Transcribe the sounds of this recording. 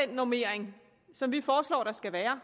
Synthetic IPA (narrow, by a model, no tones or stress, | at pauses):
enːome̝ɐ̰eŋ | sɒ̽mʋifɒːslɒ̰ːɾ̥ɑ̈sɡ̥æʋæːɐ